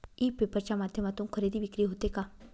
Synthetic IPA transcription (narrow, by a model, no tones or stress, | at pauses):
iːpepəɾt͡ɕamad̪ʱjəmat̪ũŋkʰəɾed̪ʱiʋikɾiɦot̪eka